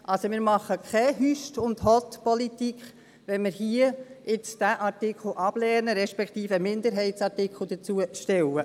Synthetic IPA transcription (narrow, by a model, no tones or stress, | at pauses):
ʔɑlsomɪːɾmɑχəkʰχɛɦyʃtʊndhɔt̪pɔlitikχ | ʋɛnmɪɾhiəɪt͡sd̥æʔɑɾtɪkʰl̩ʔɑb̥lɛːnəɾɛʃpɛkʰχtiːfəmɪnd̪əɾɦɛɪtsɑɾtɪkχl̩ˠd̥̪ət͡suəʃtɛwə